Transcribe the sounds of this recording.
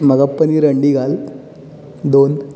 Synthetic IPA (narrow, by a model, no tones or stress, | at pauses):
mɐɣɐpːɐniɾɐɳɖiɣaːl | d̪oːn